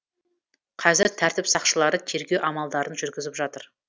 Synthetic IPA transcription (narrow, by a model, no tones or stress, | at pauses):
qʰɑzɪɾt̪ʰæɾt̪ɪpsɑqʃəlˠɑɾət̪ʰe̞ɾɡʲe̞wʔɑmɑlˠd̪ɑɾənʒʏɾɡʲɪzɪpʒɑt̪əɾ